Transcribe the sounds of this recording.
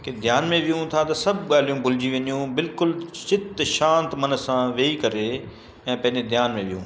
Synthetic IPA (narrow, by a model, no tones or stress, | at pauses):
ked̪ʱjaːnmẽʋijũt̪ʰat̪ɐsɐbʱɠaːl̤ijũbʱʊlɪd͡ʑiʋɐɲijũbɪlkʊlt͡ɕɪt̪ʃãːnt̪mɐnə̆sãʋeːikɐɾe | ɛ̃ːpɐ̃ɦɪ̃ɲd͡ʑed̪ʱjaːnmẽʋijṵ̃ː